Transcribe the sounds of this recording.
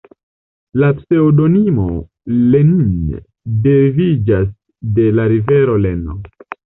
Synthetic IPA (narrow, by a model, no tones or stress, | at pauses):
lapse̞odo̞nimo̞ | lenin | de̞vid͡ʒas | de̞laɾive̞ɾo̞leno